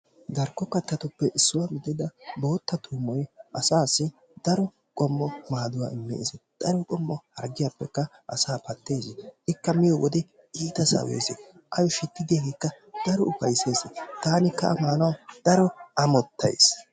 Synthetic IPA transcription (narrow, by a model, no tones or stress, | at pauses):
d̪ɐɾkːɔkːɐt̪ːɐt̪ʊpːɛʔɪsːʊwamɪd̪ɪd̪ɐbo̞ːt̪ːɐt̪ʰuːmɔjʔɐsaːsːɪ | d̪̥ɐɾɔ | kʼɔmːɔmaːd̪ʊwa̰ːɪmːɛ̰ʔɪsɛd̪̥ɐɾɔkʼɔmːɔhɐɾɡɪjapːɛkːɐ | ʔɐsaːpɐt̪ːe̞ːzɪɪkːɐmɪjɔwɔd̪ɛ | iːt̪ɐsɐ̰wḛːzɛ | ʔɐjɔʃɪt̪ːɪd̪ɪjaɡekːɐ | d̪̥ɐɾɔʊfɐjse̞ːsɛt̪aːnɪkːɐ̰ʔɐ̰maːnɐwd̪̥ɐɾɔɐmɔt̪ːɐ̰js